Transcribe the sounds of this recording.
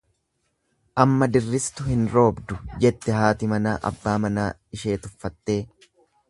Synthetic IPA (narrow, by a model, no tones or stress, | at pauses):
ʔɐmːɐd̪ɪrːɪst̪ʊhɪnɾo̞ːbd̪ʊd͡ʒɛt̪ːɛhaːt̪ɪmɐna̰ːʔɐ̰bːaːmɐnaː | ɪʃe̞ːt̪ʊfːɐt̪ːe̞ː